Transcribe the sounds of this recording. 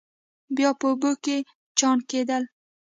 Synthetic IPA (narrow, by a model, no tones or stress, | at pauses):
bjɒpəboke | t͡ʃɑnked̪al